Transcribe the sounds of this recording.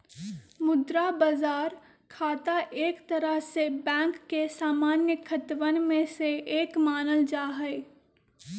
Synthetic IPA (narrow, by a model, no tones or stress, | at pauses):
mʊd̪ɾabəzaːɾ | kʰaːt̪aʔeːkt̪ɐɾəɦsebɛ̃ːŋkːesaːmaːnjəkʰət̪ʋənmẽseʔeːkmaːnəld͡ʒaːɦɛe